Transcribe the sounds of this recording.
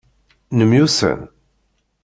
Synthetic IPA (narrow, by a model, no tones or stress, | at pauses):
nəmjusə̰n